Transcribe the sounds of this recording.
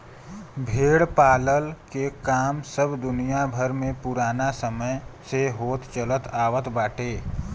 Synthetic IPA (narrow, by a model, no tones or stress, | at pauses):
bʱeːɽpaːləlkekaːmsəbd̪ʊnijabʱəɾmẽpʊɾaːnasəməjseɦoːt̪t͡ʃələt̪aːʋət̪baːʈeː